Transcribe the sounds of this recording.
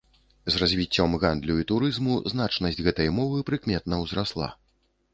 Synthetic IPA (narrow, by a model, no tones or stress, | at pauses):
zrazʲvʲit͡sʲːɔmɣand̪lʲuit̪uɾɨzmuznat͡ʂnɐsʲd͡zʲɣɛt̪ɐjmɔvɨpɾɨkmʲɛt̪̚nɐwzɾaslˠa̰